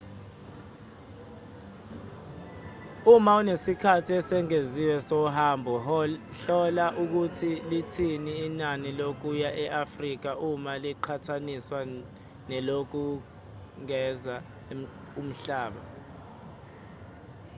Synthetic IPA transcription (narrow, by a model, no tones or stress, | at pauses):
umaunesikʰatʰiɛsɛŋeziwɛsɔɦambʱɔɬɔlaʔuk̬utʰilitʰiniːnanilok̬ujaʔɛʔafrik̬aʔumaliǃʰatʰaniswa | nɛlok̬u | ŋɛza | um̩ɬaːɓa